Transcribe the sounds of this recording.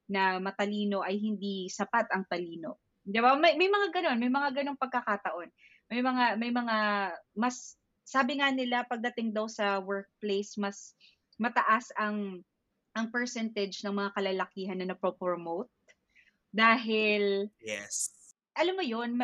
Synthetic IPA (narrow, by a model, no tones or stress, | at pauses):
nɐmɐt̪ɐliːno̞ʔɐjhɪnd̪isɐpat̪ɐŋt̪ɐliːno̞ | d̪ɪbamɐjmɐjmɐŋaɡɐno̞nmɐjmɐŋaɡɐno̞ŋpɐɡ̚kɐkaːt̪ɐʔo̞n | mɐjmɐŋamɐjmɐŋamɐsː | aːbɪŋanɪlapɐɡ̚d̪ɐt̪ɪŋd̪ɐwsɐwɛɹk̚plejsmɐs | mɐt̪ɐʔasɐŋ | ʔɐŋpɛɹsɛnt̪ɛd͡ʒnɐŋmɐŋakɐlalɐkiːɦɐnːɐnɐpɾopɾomowt̪̚ | d̪aːɦɪljɛs | ʔɐlamːojon